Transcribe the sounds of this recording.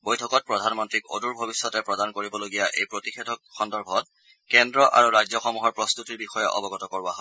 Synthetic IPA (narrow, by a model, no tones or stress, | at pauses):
bojtʰɔkɔt̚pɹɔdʱanmɔntɹiko̰duɹbʱobisːɔtɛpɹɔdankoɹibɔloɡijaʔḛjpɹotixʰɛtʰɔk̚xɔndɔɹbʱɔt | kɛndɹɔʔa̰ɹuɹajzɔxɔmuɦɔɹpɹɔst̪utiɹbixɔjɛʔɔ̰bɔɡɔtɔkoɹaɦɔ